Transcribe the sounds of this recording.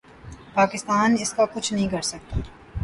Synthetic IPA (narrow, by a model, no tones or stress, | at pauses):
paːkɪst̪aːnɪskakʊt͡ʃʰnɐɦĩkɐɾsɐk̚t̪a